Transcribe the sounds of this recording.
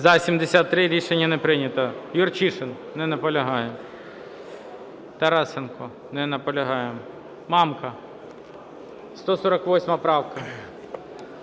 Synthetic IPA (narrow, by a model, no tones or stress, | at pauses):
zɐsʲimd̪ʲɪsʲat̪ːɾɪɾʲiʂɛnʲjɐnɛpɾɪnʲɐt̪ɐjʊrt͡ʃiʂɪn | nɪnɐpɐlʲɐɦɑjɪm | t̪ɐɾɑsɪnkʊ | nɪnɐpɐlʲɐɦɑjem | mɑmkɐ | st̪osɔɾɐkʋosʲmɐpɾɑwkɐ